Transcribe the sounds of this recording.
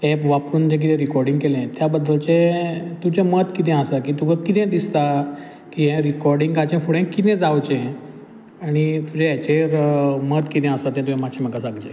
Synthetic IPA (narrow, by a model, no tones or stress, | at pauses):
ɛpʋapɾuːnd͡ʑẽk̬it̪ʰɛ̃ɾikɔɾɖĩŋɡkelɛ̃t̪jabəd̪ːəlt͡ɕẽt̪ud͡ʑẽmət̪kit̪̬ʰɛ̃asakiːt̪uɡəkit̪ʰɛ̃d̪ist̪a | kiɦɛ̃ɾikɔɾɖĩŋɡɡat͡ɕẽfuɽɛ̃kːit̪ɛ̃d͡zawt͡ɕẽ | aɽ̃it̪ud͡ʑẽɛt͡ɕeɾmət̪kit̪ʰɛ̃asat̪ɛ̃t̪uɦẽmaɕeməkasãŋɡd͡ʑḛ̃